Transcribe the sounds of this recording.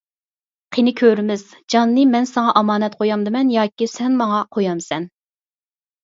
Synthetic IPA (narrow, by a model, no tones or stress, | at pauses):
qʰenɪkʲʰøɾmɪz̥d͡ʒɑnːɨmɛnsɑŋɑʔɑmɑːnɛt̪qʰojɑmd̪ɨmɛnjɑːkʲisɛnmɑŋɑqʰojɑmsɛn